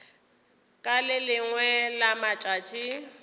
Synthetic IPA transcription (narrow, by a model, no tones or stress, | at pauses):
kʼalɪlɪŋwɛlamat͡ʃʼat͡ʃʼi